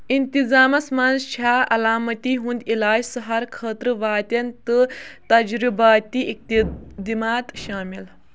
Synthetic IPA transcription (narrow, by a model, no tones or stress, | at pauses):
int̪izaːmɐsmaːnt͡ʃʰaːɐlaːmɐt̪iːɦũnd̪ilaːd͡ʒsɐɦɐɾkʰəːt̪ɾɨʋaːt̪ɐnt̪ɨt̪ɐd͡ʒɾibaːt̪iʔik̚t̪id̪imaːt̪ʃaːmil